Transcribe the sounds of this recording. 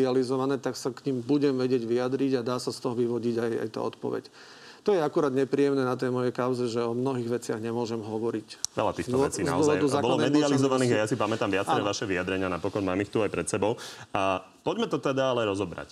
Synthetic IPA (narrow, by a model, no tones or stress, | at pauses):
ializɔʋanɛːt̪aksakɲiːmbuɟɛmʋɛɟɪɛɟʋijad̪ɾiɟad̪aːsast̪ɔɦɔʋiʋɔɟiɟaja̰jt̪a̰ːɔt̪pɔ̰ʋɛ̰c | t̪ɔjɛakuɾaːd̪ɲɛpɾiːɛmnɛːnat̪ɛjmɔjɛkaʊzɛʒɛɔmnɔɦiːɣʋɛt͡sɪa̰ɣɲɛmʊɔʒɛmɦɔʋɔɾicʋɛ̰lat̪iːxkt̪ɔɛt͡siːnza̰ɔɔzɔʋaɔjd̪uzaːkbɔlɔlɔmɛd̪ializɔʋaniːɣajasipamɛt̪amʋɪat͡sɾɛʋaʃɛʋiad̪ɾɛɲɪanapɔkɔnmaːmixt̪uajpɾɛt̪sɛbɔʊa | pɔɟmɛt̪ɔt̪ɛd̪aalɛɾɔzɔbɾa̰c